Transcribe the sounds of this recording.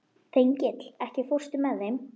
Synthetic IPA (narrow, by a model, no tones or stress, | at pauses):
θejɲcɪt̪l̥ɛhcɪfor̥st̪ʏmɛðːejm